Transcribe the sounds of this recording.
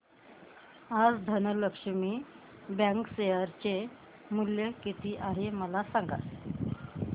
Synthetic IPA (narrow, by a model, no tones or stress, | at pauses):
ad͡zd̪ʱənələkʂəmi | bãŋksejəɾt͡ɕe | muljəkit̪iːʔaɦeməlasaŋɡa̰t̪